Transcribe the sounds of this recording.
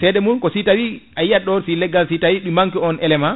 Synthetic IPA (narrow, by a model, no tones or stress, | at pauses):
sɛɗɛmunkɔsitawiʔajijaɗɔɾsilɛɡalsitawiɗumaŋkiɔnʔɛlɛma